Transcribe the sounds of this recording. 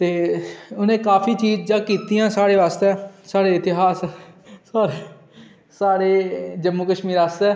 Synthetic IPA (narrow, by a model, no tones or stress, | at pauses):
t̪eːʊnẽːkaːpʰiːt͡ʃiːd͡ʒd͡ʒãːkiːt̪ijãːsaːɽeːʋaːst̪ɛːsaːɽeːɪt̪ɪɦaːssaːɾe | saːɽeːd͡ʒəmːuːkəʃmiːɾaːst̪ɛː